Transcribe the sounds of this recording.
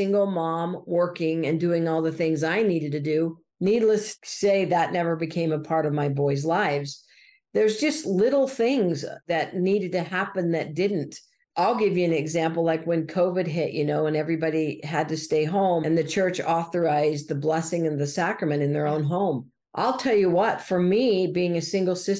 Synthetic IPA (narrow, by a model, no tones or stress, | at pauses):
sɪ̃ŋɡl̩ˠmɑ̃mwɜ˞kɪ̃ŋɨ̃ndʉɪ̃ŋɔlˠðɨθɪ̃ŋzaɪniɾɨd̚tɨdʉ | nidˡləsːeɪðətⁿnɛvə˞bɨkʰẽɪ̃məpʰɑɹɾʌvmaɪbɔɪzlaɪvz̥ | ðə˞zd͡ʒʌstˡlɪɾl̩ˠθɪ̃ŋzðɨtⁿniɾɨd̚tɨhæpɨ̃nðɨt̚d̥ɪdⁿn̩t | ʔaɪlˠɡɪvjɨɨ̃nɨɡzæ̃mpl̩ˠlaɪkwɨ̃nkʰoʊvɨd̚ɦɪʔjɨnoʊə̃nɛvɹibɑɾiɨd̚tɨsteɪɦõʊ̃mɨ̃nðɨt͡ʃʰɜ˞t͡ʃɔθə˞aɪzðɨblɛsɪ̃ŋɨ̃nðɨsækɹɨmɨ̃ɾ̃ɨ̃nðə˞õʊ̃nɦõʊ̃m | ʔa̰ɪlˠtʰɛlˠjɨwʌtfə˞mibiɪ̃ŋɨsɪ̃ŋɡl̩ˠsɪs